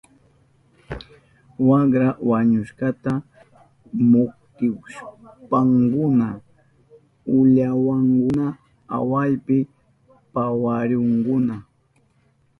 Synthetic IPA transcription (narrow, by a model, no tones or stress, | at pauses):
wakɾawaɲʊʃɢɑt̪a | mʊkt̪ɪʃpaŋkʊna | ʊʎawaŋkʊna | a̰wajpɪ | pawaɾoŋkʊna